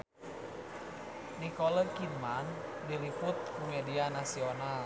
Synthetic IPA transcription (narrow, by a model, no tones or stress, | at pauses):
nikɔləkinman | diɾiput̪̚kumɛdianasional